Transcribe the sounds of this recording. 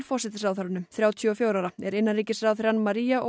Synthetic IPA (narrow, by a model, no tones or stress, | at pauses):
ɾfɔr̥sɛt̪ɪsɾaːðθfaɾʏnʏmθɾjaːwt̪ʰːɔfjoːwɾaɾaɛɾɪnːarɾiːcɪsɾaðθɪɾanmaɾiːjaʔo̰